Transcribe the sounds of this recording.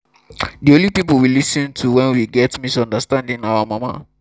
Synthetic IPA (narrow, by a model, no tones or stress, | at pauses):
diõnlipipl̩wilisĩntʰuwɛ̃nwiɡɛtmisɔ̃ndəstãndĩnawamama̰